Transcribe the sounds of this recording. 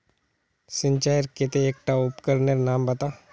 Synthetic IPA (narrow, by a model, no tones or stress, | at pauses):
sɪ̃nt͡ʃaːjɾket̪eeːk̚ʈaʊpkəɾneɾnaːmbɐt̪aː